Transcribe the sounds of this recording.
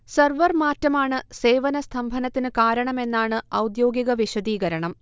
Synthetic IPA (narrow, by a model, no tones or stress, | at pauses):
sɐrʋɐrmaːtːɐmaːɳɨse̞ːʋɐnɐst̪ʰɐmbʱɐnɐt̪ːinɨkaːɾɐɳɐme̞nːaːɳɨɐwd̪jo̞ːɡiɣɐʋiɕɐd̪iːɣɐɾɐɳɐm